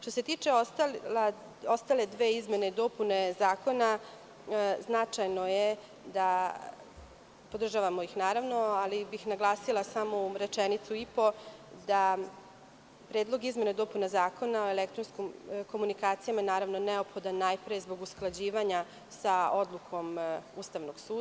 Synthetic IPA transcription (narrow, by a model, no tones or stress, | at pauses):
ʃt̪ose̞t̪iːt͡ʂeost̪ala | ost̪ale̞d̪ʋe̞ːizme̞ne̞id̪o̞pune̞zaːko̞na | znat͡ʂajno̞je | d̪a | pod̪r̩ʒaʋamo̞ixnaːɾaʋnoalibixnaɡlˠaːsilˠasamoɾe̞t͡ʃenit̪suipo̞d̪a | pɾeːd̪lˠo̞ɡizme̞ned̪o̞punazaːko̞nao̞e̞lek̚t̪ɾonskomko̞munikaːt̪sijamanaːɾaʋnoneo̞pxo̞d̪anːajpɾezbo̞ɡusklˠad͡ʑiːʋaɲa | sao̞d̪lˠukʰo̞must̪aʋnoɡ̥suːd